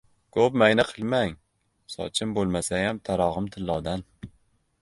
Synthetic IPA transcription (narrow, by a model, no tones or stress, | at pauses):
kʰop̚majnaqʰɨlˠmaŋ | sɒ̰t͡ʃʰɪmbolˠmasajamt̪ʰaɾɒʁɨmt̪ʰɪlːɒwd̪an